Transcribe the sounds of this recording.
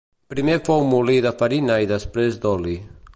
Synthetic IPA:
pɾimefowmuliðafaɾinaiðəspɾezd̪ɔli

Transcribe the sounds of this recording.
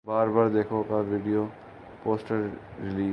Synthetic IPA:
baːɾbaːɾd̪ekʰokabʱiɖijo | poːsʈəɾːɪliː

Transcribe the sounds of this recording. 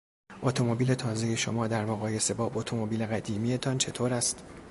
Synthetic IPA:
ʔot̪ʰo̞mobiːle̞t̪ʰɒːzeje̞ʃo̰mɒːd̪æɾmoɣɒːje̞se̞bɒːbot̪ʰo̞mobiːle̞ɣæd̪iːmije̞t̪ʰɒːnt͡ʃʰe̞t̪ʰoːɾæst̪

